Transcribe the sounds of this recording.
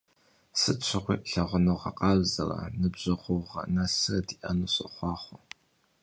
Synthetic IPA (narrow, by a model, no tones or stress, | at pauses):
sɨt͡ʃʷʰɪʁʷiːʔɬɐʁʷʊnɨwʁɐqʼɑːzɐrɐ̰nɨbʑɐʁʷʊʁɐ̰nɐsɨrɐdiːʔɐnuːɕʼɨ̰χʷɑːχʷʊ